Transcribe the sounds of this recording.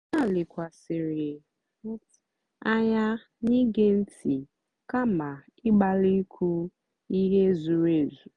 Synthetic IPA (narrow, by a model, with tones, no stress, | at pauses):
na˦˨lɪ˨kʷa˨sɪ˨ɾɪ˨˦ | t | a˦ja˦ | ni˦ɡe˦n̩˦tʰi˨ | ka˦ma˨ | ɪ˦ɡ͡ba˦li˦kʰu˦ | i˦ɦe˦zu˨ɾe˦˨zu˨